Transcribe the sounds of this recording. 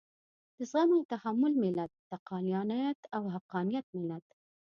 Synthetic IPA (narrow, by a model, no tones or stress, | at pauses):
d̪̥əsɣaməwt̪ahamːʊlmɪlat̪̚ːaqɑnjɑnajat̪awɦaqɑnijat̪̚mɪlat̪